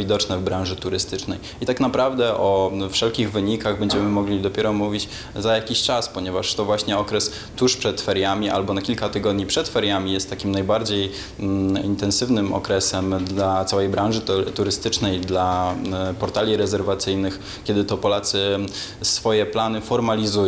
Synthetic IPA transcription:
id̪ɔt͡ʂnɛvbɾãw̃ʐɘt̪uɾɘst̪ɘt͡ʂnɛj | it̪akn̪apɾavd̪ɛʔɔfʂɛlkʲiɣvɘɲikaɣbɛɲd͡ʑɛmɘmɔɡlʲid̪ɔpʲjɛɾɔmuvʲit͡ɕ | zajakʲiɕt͡ʂaspɔɲɛvaʂt̪ɔvwaɕɲɛɔkɾɛs | t̪uʂpʂɛt̪fɛɾjamʲiʔa̰lbɔnakʲilkat̪ɘɡɔd̪ɲipʂɛt̪fɛɾʲjamʲijɛst̪ːakʲimnajbaɾd͡ʑej | int̪ɛnsɘvnɘmɔ̰kɾɛsɛmd̪lat̪sawɛjbɾãw̃ʐɘt̪uɾɘst̪ɘt͡ʂnɛjd̪lapɔɾt̪alʲiɾɛzɛɾvat̪sɘjnɘx | kʲɛd̪ɘt̪ɔpɔlat̪sɘ | sfɔjɛplanɘfɔɾmalʲizuj

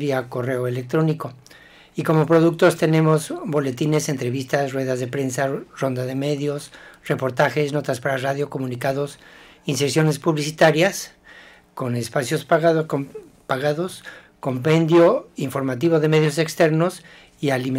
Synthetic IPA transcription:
iako̞re̞o̞e̞le̞k̚t̪ɾo̞niko̞ | iko̞mo̞pɾo̞ðuk̚t̪o̞st̪e̞ne̞mo̞zbo̞le̞t̪ine̞se̞nt̪ɾe̞βist̪asrwe̞ðazðe̞pɾe̞nsaro̞nd̪aðe̞me̞ðjo̞sre̞po̞ɾt̪axe̞sno̞t̪aspaɾaraðjo̞ko̞mũnikaðosinse̞ɾsjo̞ne̞spuβlisit̪aɾjas | ko̞ne̞spasjo̞spaɣ | paɣaðo̞s | ko̞mpẽ̞nd̪jo̞iɱfo̞ɾmat̪̬iβo̞ðe̞me̞ðjo̞s̬e̞kst̪e̞ɾno̞s | ialime

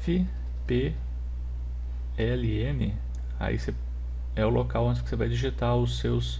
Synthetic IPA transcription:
fɪ | pe | ɛliẽmɪ | a̰ḭse | ɛʊlokawɐ̃t͡ʃɪskɪ̥sevajd͡ʒiʒit̪aʊsews

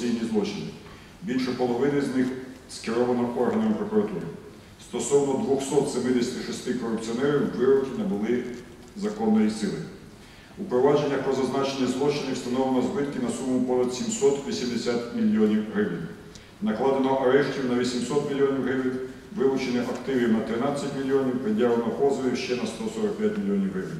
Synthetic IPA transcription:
ijnʲizlˠɔt͡ʃɪnɪ | bʲilʲʃɛpɔlˠɔʋɪnɪznɪxskɪɾɔʋɐnɔɔrɦɐnɔmpɾɔkuɾɐt̪uɾɪ̰ | st̪ɔsɔwnɔd̪ʋɔxsɔt̪semɪd̪esʲɐ̥t̪ɪʃɔst̪ɪkɔɾʊp̚t͡sʲiɔnɛɾʲiwːɪɾɔkʲinɐbʊlˠɪ | zɐkɔnːɔjisɪlˠɪ | upɾɔʋɑd͡ʒe̞nʲːɐpɾɔzɐznɑt͡ʃenʲːɐzlˠɔt͡ʃɪnɪwst̪ɐnɔlˠenɔzbɪt̪kɪnɐsumʊpɔnɐt̪sʲimsɔt̪ʋʲisʲimd̪esʲat̪ʲmʲilʲːiɔnʲiwɦɾɪʋɪnʲ | nɐklˠɑd̪enɔʔɐɾɛʃtʲiwnɐʋʲisʲimsɔt̪mʲilʲijɔnʲiwɦɪʋɪnʲ | ʋɪlˠʊt͡ʃenɪʔɐkt̪ɪʋʲinɐt̪ɾɪnɑt͡sʲːɐtʲmʲilʲːiɔnʲiwpɾɪd̪ʲjaʋlenɔpɔzɔlʲiwʃt͡ʃɛnɐst̪ɔsɔɾɐk̚pʲjatʲmʲilʲijɔnʲiwɦɾɪʋɪnʲ

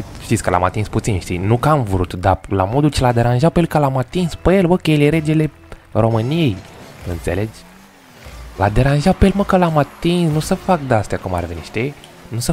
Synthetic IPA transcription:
ʃt̪itsʲkəla̰mat̪insput̪sinʃt̪inukəamvɾut̪d̪ala̰mo̞d̪ult͡ʃelad̪e̞ɾanʒapəejelkəlamat̪inspəelbəkəjeleɾe̞d͡ʒele | ro̞mɨnijejɨ̰nt̪se̞̰le̞d͡ʒ | lad̪e̞ɾanʒapejelməkəlamat̪insnusəfak̚d̪ast̪jakuma̰rveniʃt̪i | nusə

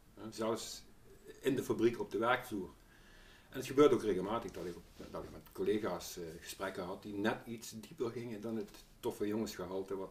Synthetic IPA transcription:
ɦɛzɛləfs | ɪndəfabrikɔb̚dəʋɛɹkfluːr | ʔɛndɑtxəbøːɹdəokreɣəlˠmaːtəxdɑtɪkɔpdɑtɪkmɛtkoleːɣaːsɣə̥sprɛkəɦɑt̚dinɛtitsdipərɣɪŋədɑnətː | ɔfəjoŋəsxəɦɑlˠtəʋɑt

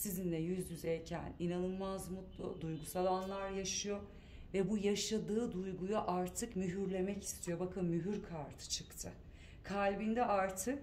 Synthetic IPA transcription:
sizinlʲɛjyzjyzɛjcʰæ̰ninanɯlˠmazmut̪ˠd̪ujɡusalˠanlˠaɾjaʃɯjo | vɛbujaʃad̪ɯːd̪ujɡujaʔaɾt̪ʰɯkmyɦyɾlʲe̞mɛci̥st̪ʰijo̞bakʰɯnmyɦyɾkʰaɾt̪ʰɯ̥t͡ʃʰɯkt̪ʰɯ | kʰalʲbind̪ɛʔaɾt̪ʰɯk̚

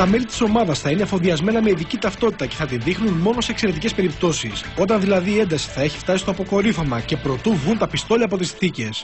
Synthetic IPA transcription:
t̪ɐme̞lit̪i̥so̞mɐðɐsθɐine̞fo̞ðiɐzme̞nɐmeiðicit̪ɐft̪o̞t̪i̥t̪ɐce̞θɐt̪inðixnunmo̞no̞seːkse̞ɾe̞t̪ice̞spe̞ɾip̚t̪o̞siso̞t̪ɐnðilɐðiːe̞nd̪ɐsi̥θɐe̞çi̥ft̪ɐsist̪o̞ɐpoko̞ɾifɐmɐce̞pɾo̞t̪uvɣunt̪ɐpist̪o̞liɐpo̞t̪isiθice̞s

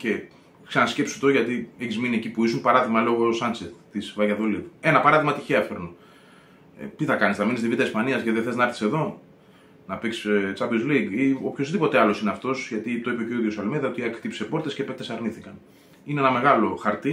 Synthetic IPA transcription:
ce̞ | ksenɐsce̞psu̥t̪o̞ʝɐt̪ieçizminie̞cipuisunpɐɾɐðimɐlo̞ɣo̞sɐnseθt̪isvɐʝɐðo̞live̞nɐpɐɾɐðiɣmɐt̪içeɐfeɾno̰ | t̪iθɐkɐnisðɐminizðivit̪ɐispɐniɐsceðeθeznɐɐɾθi̥se̞ðo̞ | nɐpikst͡sɐpizliɡio̞pço̞zðipo̞t̪eɐlo̞sineɐft̪o̞sʝɐt̪it̪o̞ipeceoiðiosɐlmeðiɐot̪iɐkt̪ipse̞po̞ɾt̪escepet̪e̞sɐɾniθikɐn | ineenɐme̞ɣɐlo̞xɐɾt̪i

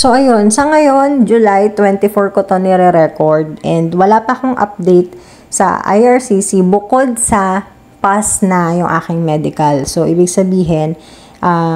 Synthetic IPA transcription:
so̞ʔɐjo̞nsɐŋɐjo̞nd͡ʒʊlajt̪wɛnt̪ɪfoɹkot̪onɛɾɛɾɛkoɹd̪̚ʔɛnd̪wɐlaːpɐko̞ŋʔɐ̰p̚d̪ɛjt̪̚ | sɐ̰ʔa̰jʔɐɹsisibʊko̞d̪̚sɐ | pasnɐjʊŋʔa̰ːkɪŋmɛd̪ɪkɐlso̞ʔiːbɪɡsɐbiːɦɛn | ʔaː

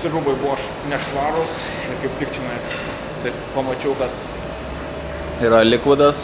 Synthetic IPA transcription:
sʲɪɾuːbɐɪbʊʋoːʃ | nʲɛʃʋɑːɾʊs | kɐɪp̚t̪ʲɪkt͡ʃʲɪnɐɪs | t̪ɐɪpɐmɐt͡ʃʲɛʊkɐt̪ | iɾɐlʲɪkʋɐd̪ɐs

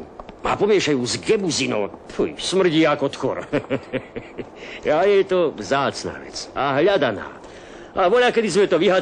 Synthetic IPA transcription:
ma̰pɔmɪɛʃajuːzɡɛbuzinɔ̰ːpujsmr̩ɟiːakɔt̪xɔ̰ɾ | ajɛjt̪ɔvzaːt͡sna̰ːʋɛ̰t͡saɦʎad̪ana̰ː | aʋɔʎakɛd̪izmɛt̪ɔʋiɦa

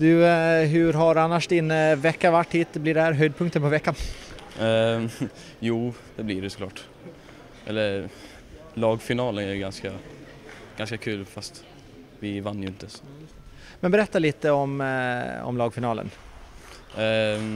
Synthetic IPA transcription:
d̪ɵɦɵɾɦaɾanːaʂd̪ɪnvɛkːavaʈːhiːt̪blɪɖɛhæːɾɦœjd̪̚pʰɵŋkt̪ənpʰɔvɛkːan | juː | d̪ɛblɪɾɛsɔ̥kʰlɑːʈ | ʔɛ̰lːəɾ | lɑːɡfɪnɑːlənæjɡanska | ɡ̥anskakʰʉ̟ːlfast̪ | vɪvanːjɵɪnt̪ə | mɛnbɛɾɛt̪ːaliːt̪əɔm | ɔ̰mlɑːɡfɪnɑːlə̰n

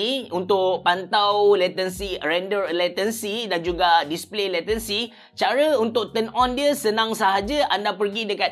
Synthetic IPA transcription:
iunt̪ʊʔpant̪awlɛt̪ənsiɾɛndərlɛt̪ənsidand͡ʒuɡadisplelɛt̪ənsi | t͡ʃaɾəunt̪ʊʔ̚t̪ənɔ̃ndiəsənãŋsaɦad͡ʒəʔandapərɡidəkat̪

